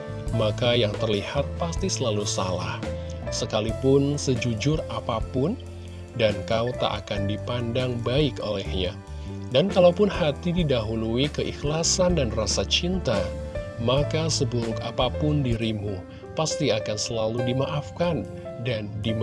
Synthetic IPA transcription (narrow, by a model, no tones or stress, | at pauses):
makajaŋt̪ərlihat̪̚past̪isəlalusala̰h | səkalipʊnsəd͡ʒud͡ʒʊrapapʊn | dankawt̪a̰ʔa̰kandipandaŋbaɪko̰lɛhɲa | dankalaupʊnhat̪ididaɦuluikəʔixlasandanrasat͡ʃint̪amakasəbuɾʊkapapʊndiɾimu | past̪iakansəlaludimaʔafkan | dandim